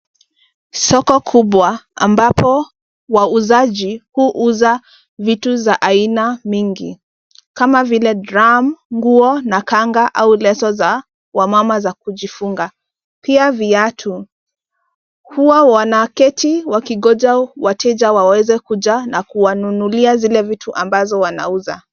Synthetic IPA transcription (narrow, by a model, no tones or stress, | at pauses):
sɔkɔkʰuɓwaa̰mbapɔ | wauzaʄihuʔuza | vituzaʔainamiŋɡḭ | kamavilɛdɾamŋɡuɔnakaŋɡaʔaulɛsɔza | wamamazakuʄifuŋɡa | piaviatʰu | huwawanakɛtʰiwakiɠɔd͡ʒawatʰɛd͡ʒawawɛzɛkud͡ʒanakuwanunuliazilɛvitʰuʔambazɔwana̰uza̰